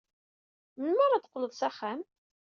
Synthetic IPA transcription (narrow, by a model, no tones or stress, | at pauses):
mənməɾad̪ə̥qːləðˤsæχæm